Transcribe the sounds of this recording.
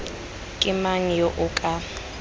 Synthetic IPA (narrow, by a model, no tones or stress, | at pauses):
kʼɪmaŋ̩jɔʔʊkʼa